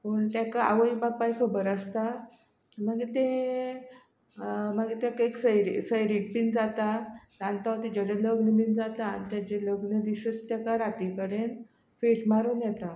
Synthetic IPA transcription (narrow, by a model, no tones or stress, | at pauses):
pəɳt̪jakaa̰ʋəibapajkʰəbəɾəst̪a | maɡit̪ẽ | maɡit̪jakeksəjɾisəjɾik̚bind͡zat̪aɾãnt̪at̪id͡ʑəɽeləɡnəbind͡zat̪aːnit̪jat͡ɕeləɡnəd̪isət̪ːjakaɾat̪ikəɽen | feʈmaɾuːnjɛt̪a